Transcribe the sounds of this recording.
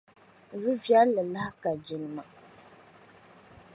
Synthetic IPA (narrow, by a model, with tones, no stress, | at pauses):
ɾu˦vja˦lːɨ˨la˦hka˨d͡ʒi˨lɨ˨ma˨